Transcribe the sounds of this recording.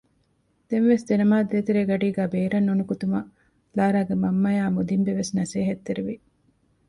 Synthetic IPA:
d̪̥enʋesd̪enɐmaːd̪eːt̪eɾeːɡɐɖiːɡæːbeːɾɐnːonukut̪umɐ | laːɾaːɡemɐmːɐjaːmud̪imbeʋesnɐseːɦɐt̪ːeɾiʋi

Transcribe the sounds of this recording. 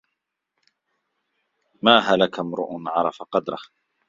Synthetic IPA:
maːɦalakamɾʊ̰ʔʊnʕɑɾˤɑfaqɑd̪ɾˤɑh

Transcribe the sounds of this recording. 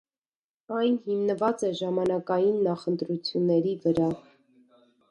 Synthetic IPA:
ɑjnhimnəvɑt͡sɛʒɑmɑnɑkɑjinːɑχənt̪ɾut͡sʰjunːɛɾivəɾɑ

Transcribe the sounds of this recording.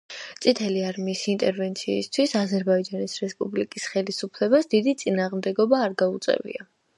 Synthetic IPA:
t̪sʼit̪ʰɛliaɾmiːsint̪ʼɛɾvɛnt̪sʰḭːst̪ʰwisazɛɾbaid͡ʒanisɾɛspʼublikʼisχɛlisupʰlɛbasd̪id̪it̪sʼinaːʁmd̪ɛɡɔbaːɾɡaut̪sʼɛ̰vḭa

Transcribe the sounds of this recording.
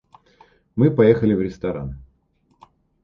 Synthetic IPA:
mɨpɐjexəlʲɪvɾʲɪst̪ɐɾa̰n

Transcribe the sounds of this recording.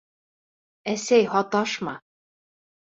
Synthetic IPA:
æsæjhɒt̪ɑʃmɑ

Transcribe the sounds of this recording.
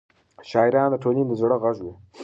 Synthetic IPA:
ʃɑːiɾɑːnd̪əʈʰonind̪əzɽəɣaʒwi

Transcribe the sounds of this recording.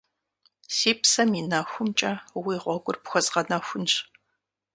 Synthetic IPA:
siːpsɐminɐxʷʊmt͡ʃʼɐwiːʁʷɔɡʷʼʊrpxʷɔzʁɐnɐxʷʊnɕ

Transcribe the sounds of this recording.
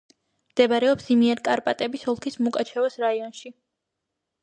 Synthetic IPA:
md̪ɛbaɾɛɔpsimiɛɾkʼaɾpʼat̪ʼɛbisɔlˠkʰismukʼat͡ʃʰɛvasɾaiɔnʃi

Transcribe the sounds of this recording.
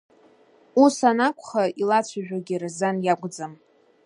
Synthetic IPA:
usanakʷʰʼχailat͡ɕʷʰaʒᶣaɡʲirzanjaɡʷʼd͡zam

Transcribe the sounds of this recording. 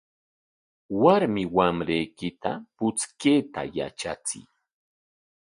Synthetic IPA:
waɾmɪwamɾejkɪt̪a̰pʊt͡skeːt̪a̰ja̰t͡ʃat͡sɪ̰j

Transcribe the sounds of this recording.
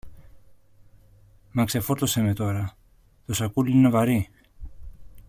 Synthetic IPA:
mɐksefoɾt̪osemet̪o̞ɾɐ | t̪osɐkulinevɐɾi

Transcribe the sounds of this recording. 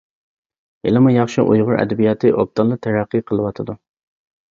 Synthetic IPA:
ḛlɨmujɑχʃiʔujʁʊɾʔɛ̰d̪ɛbijɑt̪ʰɨʔop̚t̪ʰɑlˠɨt̪ʰæɾæqːiqʰəlˠɨwɑt̪ʰɨd̪u

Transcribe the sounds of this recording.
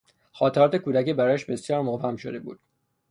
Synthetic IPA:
xɒːt̪ʰeɾɒːt̪ekuːd̪æciːbæɾɒːæʃbe̞sjɒːɾmovæmʃod̪ebṵːd̪̥

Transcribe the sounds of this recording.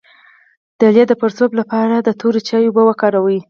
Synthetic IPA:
d̪̥əljad̪əpəɾzoblapɑɾad̪ət̪ʰoɾit͡ʃɑjobawəkɑɾawəi

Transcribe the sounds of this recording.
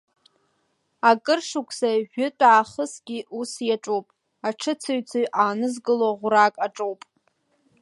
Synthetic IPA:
akʼɨrʂukʷʰsaʒᶣʊtʼaːχəsɡʲiʔusjaʈ͡ʂʼowpʼ | aʈ͡ʂʰɨt͡sʰaɥt͡sʰɨɥʔaːnɨzɡɨloʁʷʊɾakʼaʈ͡ʂʼowpʼ

